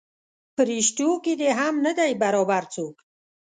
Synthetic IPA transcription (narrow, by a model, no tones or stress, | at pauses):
pʰəɾiʃt̪ukid̪eɦamnəd̪ajbaɾɔbaɾt͡sʰuk